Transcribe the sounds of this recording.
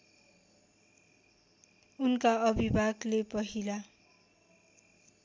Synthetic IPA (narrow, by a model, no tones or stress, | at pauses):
unkaʌbʱibʱaɡlepʌɦila